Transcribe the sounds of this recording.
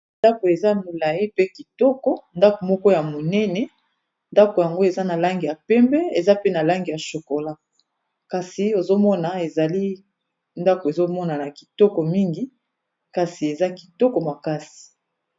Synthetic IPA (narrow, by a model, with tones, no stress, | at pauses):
nda˦ko˨e˨za˦˨mo˨la˨ji˦pe˦ki˨tɔ˦kɔ˦nda˦ko˨mɔ˦kɔ˦ja˨mo˨nɛ˦nɛ˨ | nda˦ko˨ja˨ŋɡo˦e˨za˦na˨la˦ŋɡi˨ja˨pɛ˦mbɛ˦e˨za˦pe˦na˨la˦ŋɡi˨ja˨ʃo˨ko˨la˦ | ka˨si˨o˨zo˦mɔ˦na˨e˨za˨li˦ | nda˦ko˨e˨zo˦mɔ˦na˨na˨ki̥˨tɔ˦kɔ˨mi˦ŋɡi˨˦ | ka˨si˨e˨za˦ki̥˨tɔ˦kɔ˨ma˨ka˦si̥˨